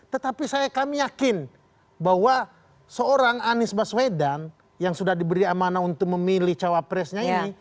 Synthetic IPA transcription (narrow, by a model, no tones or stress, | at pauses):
t̪ət̪apisajakamijakɪn | bahwa | səoɾaŋanɪsbaswedan | jaŋsudahdibəɾiamanaunt̪ʊk̚məmiliht͡ʃawapɾɛsɲaini